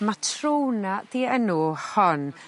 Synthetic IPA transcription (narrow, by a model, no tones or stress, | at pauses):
matʰrownaðiːənuhɔn